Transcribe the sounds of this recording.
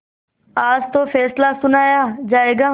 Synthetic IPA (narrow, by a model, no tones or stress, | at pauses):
aːd͡ʒt̪oːfʰɛːslasʊnaːjaːd͡ʒaːeːɡaː